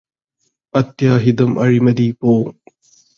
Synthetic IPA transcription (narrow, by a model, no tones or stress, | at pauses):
ɐt̪jaːɦid̪ɐmʔɐ̰ɻimɐd̪iːpoː